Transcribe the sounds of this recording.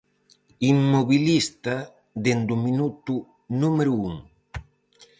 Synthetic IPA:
imːoβilist̪a | d̪end̪uminut̪u | numeɾuuŋ

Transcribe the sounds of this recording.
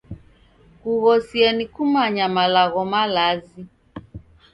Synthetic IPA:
kuɣɔsiɛnikumaɲamalaɣɔmalazi

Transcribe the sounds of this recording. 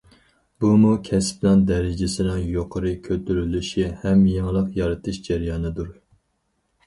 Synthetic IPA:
bumukʲʰɛsplɑnd̪ɛɾɪd͡ʒɪsɪnɪŋjoqʰəɾɨkʲʰøt̪ʰyɾylyʃihɛmjeŋlˠəqjɑɾɨt̪ʰɨʃd͡ʒæɾjɑːnɨd̪uɾ

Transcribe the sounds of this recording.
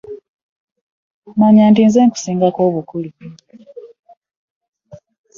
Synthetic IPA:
maɲaːntiːnzeːŋku̥siːŋɡakoːβukuli

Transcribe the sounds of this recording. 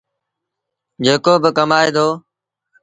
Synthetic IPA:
d͡ʒeːkoːbɪkəmaːeːd̪ʰoː

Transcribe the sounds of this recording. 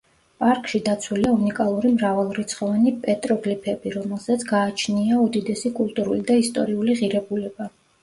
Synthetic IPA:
pʼaɾkʼʃid̪at̪sʰwuliaunikʼalˠuɾimɾavɛlˠɾit̪sʰχɔvanipʼɛt̪ʼɾɔɡlipʰɛbiɾɔmɛlˠzat̪sʰɡaːt͡ʃʰniaud̪id̪ɛsikʼulˠt̪ʼuɾulid̪aist̪ʼɔɾiuliʁiɾɛbulɛba

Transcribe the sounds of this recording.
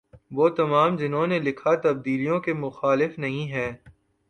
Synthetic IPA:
ʋoːt̪ɐmaːmd͡ʒɪnɦõnelɪkʰat̪ɐb̚d̪iːlijõkemʊxaːlɪfnɐɦĩɦɛː

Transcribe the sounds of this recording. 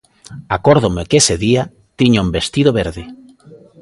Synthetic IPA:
akoɾðomɪkeseðia | t̪iɲaumbest̪iðoβeɾðɪ

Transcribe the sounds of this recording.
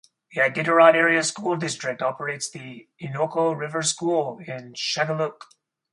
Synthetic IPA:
ðiaɪɡɪɾə˞aɪɾɛɹiɨskulˠdɪstɹ̥ɨk̚tɑpə˞eɪtsðiɪnoʊkoʊɹɪvə˞skulˠɪ̃nʃæɡəluk

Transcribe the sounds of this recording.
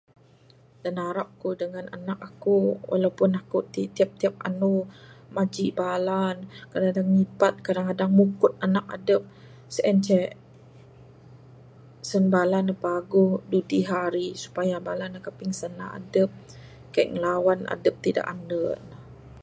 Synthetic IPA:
d̥anaɾap̚kudəŋana̰nak̚akuwʔa̰lawpʊnakut̪it̪iap̚t̪iap̚a̰numad͡ʒiʔbalankadaŋadaŋːipat̪̚kadaŋkadaŋmukʊt̪̚anak̚a̰dəp̚ | səʔɛnt͡ʃɛ | sənbalanapaɡʊhdudiɦaɾisu̥pajabalanakapɪŋsənaa̰dəp̚ | kajʔŋəlawana̰dəp̚t̪ida̰ʔanəna

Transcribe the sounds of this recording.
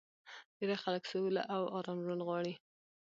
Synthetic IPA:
deɾaxaləksoula̰ʔawɑɾɑmʒunɣwɑɽi

